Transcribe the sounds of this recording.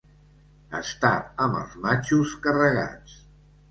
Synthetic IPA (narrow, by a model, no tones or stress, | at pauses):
ə̰st̪aəmə̰lˠzmat͡ʃuskərəɣa̰t͡s